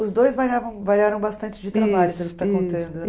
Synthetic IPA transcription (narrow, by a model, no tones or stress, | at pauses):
ʊzd̪ojzvaɾiavɐ̃w̃vaɾiaɾɐ̃w̃bast̪ɐ̃nt͡ʃɪd͡ʒɪt̪ɾabaʎʊpelʊkɪ̥st̪akõnt̪ɐ̃nd̪ʊ